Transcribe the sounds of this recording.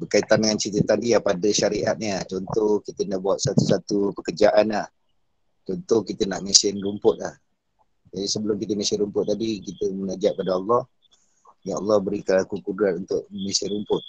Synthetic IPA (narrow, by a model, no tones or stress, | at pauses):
bərkait̪andəŋansit̪ət̪adiapadəʃaɾiʔat̪̚ɲət͡ʃɔnt̪ohkit̪ənaʔbuat̪̚sat̪usat̪upəkərd͡ʒaʔanlah | t͡ʃɔnt̪ɔhkit̪ənaʔmisɪnrumpʊt̪̚lah | d͡ʒadisəbəlʊmkit̪əmisɪɾumpʊt̪̚ːadikit̪əmənad͡ʒaʔ̚padaɑlːɑh | jaɑlːɑhbəɾikəlakukuduɾanunt̪ʊʔəmisɪɾumpʊt̪̚